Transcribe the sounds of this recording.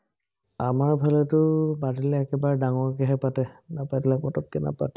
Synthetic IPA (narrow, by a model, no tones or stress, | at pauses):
amaɹbʱalɛtʊbadilɛːkɛbaɹdaŋɔɹkɛɦɛpatɛnapajdilakpɔtɔt̚kɛna̰patɛ̥